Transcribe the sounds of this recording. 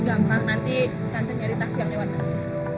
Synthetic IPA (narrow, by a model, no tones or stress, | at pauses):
ɡampaŋ̚nant̪i | k̪ant̪əŋɲaɾit̪asijaŋlewat̪̚ant͡ʃa